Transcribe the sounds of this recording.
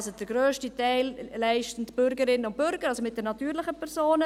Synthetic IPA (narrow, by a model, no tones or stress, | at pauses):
sod̥əɾɡɾøːʃtitɛɪllæɪʃtən̩tb̥ʏɾɡəɾɪnːəʊntb̥ʏɾɡ̥əɾɑlsomɪt̚d̥ɛɾnɑtyːɾlɪχəpʰɛɾsoːnə